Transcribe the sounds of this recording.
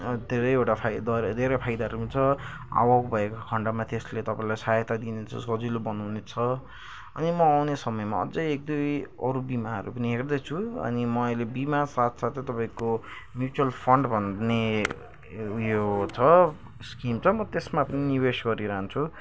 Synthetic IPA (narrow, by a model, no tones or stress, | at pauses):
d̪ʱeɾʌjewʈapʰajd̪ʌd̪ʱeɾʌpʰajd̪aɾut͡sʰʌ | a̰wakbʱʌekakʰʌɳɖamat̪eslet̪ʌpãĩlajsajt̪ad̪inet͡sʰʌ̰sʌd͡zilobʌnunet͡sʰʌ | ʌ̰nimʌawnesʌmʌjma̰ʌ̰d͡zʌjek̚d̪ujʌ̰ɾubimaʌ̰ɾupʌniɦerd̪ʌt͡sʰuʌ̰nimʌjlebimasat̪ʰsat̪ʰet̪ʌpaĩkomjut͡suʌlpʰʌɳɖbʱʌnne | jot͡sʰʌ | skimt͡sʰʌmʌt̪esmapʌniniwesɡʌɾiɾʌɦnt͡sʰu